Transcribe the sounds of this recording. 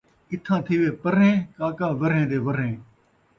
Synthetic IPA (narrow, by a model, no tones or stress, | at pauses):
ɪt̪ʰãːt̪ʰiːʋeːpəɾẽːkaːkãːʋəɾɦẽːd̪eːʋəɾɦẽː